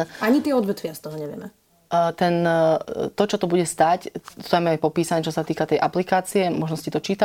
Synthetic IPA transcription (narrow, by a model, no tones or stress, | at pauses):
ʔaɲit̪ɪɛɔd̪ʋɛt̪ʋɪast̪ɔɦɔɲɛʋɪɛ̰mɛ | t̪ɛnt̪ɔt͡ʃɔt̪ɔbuɟɛst̪ac̪amɛajpɔpiːsaɲɛt͡ʃɔsat̪iːkat̪ɛjʔaplikaːt͡siɛmɔʒnɔscit̪ɔt͡ʃiːt̪a